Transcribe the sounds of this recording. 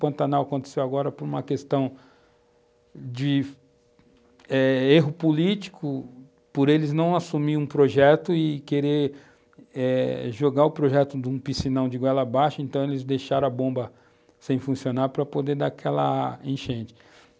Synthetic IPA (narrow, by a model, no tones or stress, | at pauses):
pɐ̃nt̪ɐnawɐkõnt̪e̥sewaɡɔɾɐpʊɾũmɐkest̪ɐ̃w̃ | d͡ʒɪ | ɛeɦʊpulit͡ʃi̥kʰʊ | poɾelɪznɐ̃w̃asumiɾũpɾoʒɛt̪ʊɪkeɾeɾ | ɛʒoɡaɾʊpɾoʒɛt̪ʊd̪ũpisinɐ̃w̃d͡ʒɪɡwɛlɐbaʃɐẽnt̪ɐ̃w̃elɪzd̪ejʃaɾɐ̃ɐbõmbɐ | sẽj̃fũsionaɾpɾɐpod̪ed̪akʰɛlɐ̰ẽʃẽnt͡ʃɪ̥